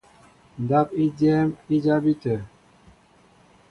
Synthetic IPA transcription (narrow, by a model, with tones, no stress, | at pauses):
n˨da˦p̚i˦d͡ʒɛ˦mi˦d͡ʒa˦bi˦tɛ˨